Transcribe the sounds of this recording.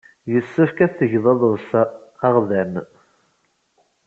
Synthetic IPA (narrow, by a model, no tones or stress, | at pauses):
jəsːəfkæθːəʝðˤɑðˤəðˤsæːʁðæn